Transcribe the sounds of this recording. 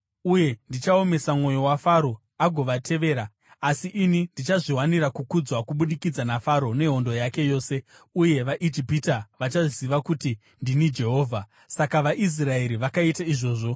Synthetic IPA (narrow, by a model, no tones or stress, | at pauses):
uje̞ndit͡ʃao̞me̞samŋo̞jo̞wafaɾo̞ | aɡʱo̞ʋatʰe̞ʋe̞ːɾaː | siʔinindit͡ʃaʐiɦwaniɾakukud͡zwakuɓuɗikid͡zanafaɾo̞ne̞ɦo̞ndo̞jake̞jo̞ːse̞ | uje̞ʋaʔid͡ʒipitaʋat͡ʃaʐisiʋakuti | ndinid͡ʒe̞ɦo̞ːvʱa | sakaʋaʔis̬rae̞ɾiʋakaitaiʐo̞ːʐo̞